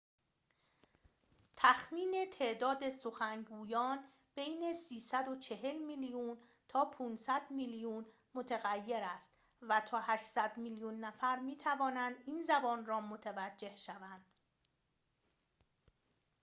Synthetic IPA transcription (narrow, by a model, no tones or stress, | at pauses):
t̪ʰæxmiːne̞t̪ʰe̞ːʔd̪ɒːd̪e̞so̞xæŋɡuːjɒːn | b̥ejne̞siːsæd̪o̞t͡ʃʰe̞ɦe̞lmilijuːn | t̪ʰɒːpʰuːnsæd̪milijuːn | mo̞t̪ʰeɣæjːe̞ɾæst̪ | væt̪ʰɒːhæʃsæd̪miljuːnːæfæɾmiːt̪ʰævɒːnænd̪iːnzæbɒːnrɒːmot̪ʰevæd͡ʒːe̞hʃævænd̪̥